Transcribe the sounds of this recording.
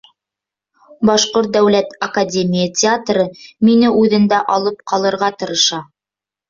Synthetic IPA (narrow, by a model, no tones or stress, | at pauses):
bɑʃqoɾt̪̚d̪æwlæt̪ɐkadʲemʲijətʲɪat̪rɤminɘʔʉðɘ̆nd̪æʔɑlˠɤpqʰɑlˠɤ̆ɾʁɑt̪ɤ̆ɾɤ̆ʃɑ